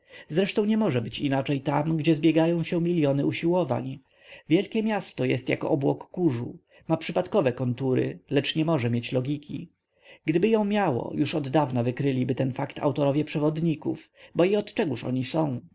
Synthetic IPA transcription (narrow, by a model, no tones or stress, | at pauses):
zɾɛʂt̪ɔ̃w̃ɲɛmɔʐɛbɘt͡ɕinat͡ʂɛjt̪amɡd͡ʑɛzbʲjɛɡajɔ̃w̃ɕɛmʲilʲjɔnɘuɕiwɔva̰ɲ | vʲjɛlkʲɛmʲjast̪ɔjɛst̪ja̰kɔ̰ʔɔbwɔkːuʐṵ | mapʂɘpat̪kɔvɛkɔnt̪uɾɘ̰lɛt͡ʂɲɛmɔʐɛmʲjet͡ɕlɔɡʲikʲḭ | ɡ̥d̪ɘbɘjɔ̃w̃mʲjawɔ̰juʂɔd̪ːavnavɘkɾɘlʲibɘt̪ɛnfakt̪ʰa̰wt̪ɔɾɔvʲjɛpʂɛvɔd̪ɲikṵfbɔiɔt̪t͡ʂɛɡuʂɔ̰ɲisɔ̃w̃